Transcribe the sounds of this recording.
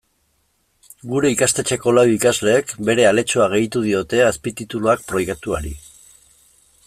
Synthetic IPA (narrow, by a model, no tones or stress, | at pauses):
ɡuɾe̞ikast̪e̞t͡ʃe̞ko̞lawikazle̞ːkbe̞ɾe̞ale̞t͡ʃoaɣ̞e̞jt̪uð̞io̞t̪e̞aspit̪it̪uluak̚pɾo̞jɣat̪uaɾi